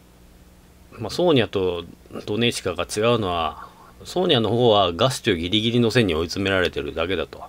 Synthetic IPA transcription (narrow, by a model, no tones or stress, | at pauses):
maso̞ːɲ̟ijat̪o̞d̪̥o̞ne̞ɕi̥kaɡat͡ɕiɡaɯ̟no̞βa | so̞ːɲ̟iano̞hoːβaɡasɨ̥t͡ɕɨːɡʲiɾʲiɡʲiɾʲino̞sẽ̞ɲ̟ːio̞it͡sɨme̞ɾaɾe̞t̪e̞ɾɯ̟d̪ake̞d̪at̪o̞